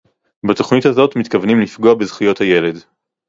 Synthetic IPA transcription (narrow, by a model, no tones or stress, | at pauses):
bato̞χnithazo̞tmit̪kavnimlifɡo̞abezχijo̞thaje̞le̞d